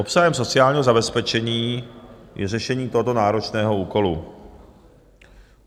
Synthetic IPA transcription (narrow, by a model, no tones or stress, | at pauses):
opsaɦɛmso̞t͡sɪaːlɲiːɦo̞zabɛspɛt͡ʃɛɲiːjʔɛ̰rɛʃɛɲiːt̪oɦo̞t̪o̞naːɾo̞t͡ʃnɛːɦo̞uːko̞lu